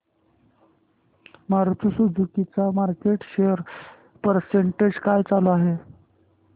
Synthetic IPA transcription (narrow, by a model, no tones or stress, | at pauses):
maɾt͡susud͡zukit͡samaɾkeʈɕejəɾ | pəɾseɳʈed͡ʑkajt͡saloaɦe